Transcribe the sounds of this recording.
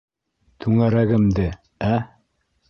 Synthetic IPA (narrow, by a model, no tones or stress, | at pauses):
t̪ʰʉŋæɾæɡɘ̆md̪ɘ | æ